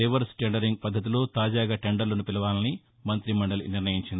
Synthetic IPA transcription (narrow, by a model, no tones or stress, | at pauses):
eʋɐɾsʈeɳɖɐɾiŋɡ̚pɐd̪ʱːɐt̪̬ilo̞ːt̪aːd͡ʒaːɡaːʈeɳɖɐɾlɐnupilɐʋaːlɐni | mɐnt̪ɾimɐɳɖɐluniɾnɐjiɲt͡ʃind̪i